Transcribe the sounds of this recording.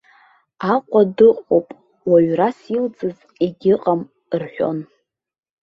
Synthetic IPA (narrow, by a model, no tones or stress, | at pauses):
aqʷʼadɨqʷʼowpʼ | waɥrasild͡zʼɨz | eɡʲɪqʼam | rħʷᶣo̞̰n